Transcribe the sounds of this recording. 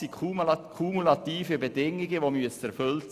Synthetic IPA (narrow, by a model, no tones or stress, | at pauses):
ikʰukʰumulɑt̪iːfəbedɪŋːɪɡəʋomyəsɛɾfʏlt